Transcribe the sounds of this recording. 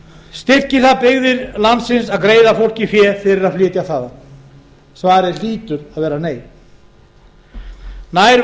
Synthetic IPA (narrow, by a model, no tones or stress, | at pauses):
st̪ɪr̥cɪ̥θaðpɪɣðɪɾlant̪sɪnsaðkɾeːjðafowl̥cɪfjɛːɾ̥fɪɾɪɾaðflɪːt̪jaθaːða | svaːɾɪliːt̪ʏɾaðvɛːɾaneːj | naːjɾ